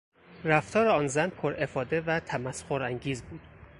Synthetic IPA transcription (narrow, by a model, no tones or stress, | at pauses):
ɾæft̪ʰɒːɾeɒːnzænpʰoɾe̞fɒːd̪evæt̪ʰæmæsχoɾæŋɟiːzbuːd̪̥